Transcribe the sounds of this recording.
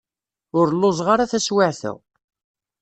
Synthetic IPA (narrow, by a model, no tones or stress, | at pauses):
ʊɾlːozˤʁaɾaθæswaʕθə̰ʁ